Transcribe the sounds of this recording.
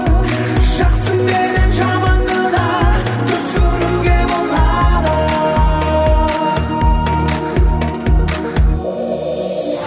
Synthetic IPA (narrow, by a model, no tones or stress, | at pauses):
ʒ̥ɑqsənbeɾenʒɑmɑnd̪əd̪ɑ | t̪ʰʏzkʰɵɾuɡʲebolˠɑd̪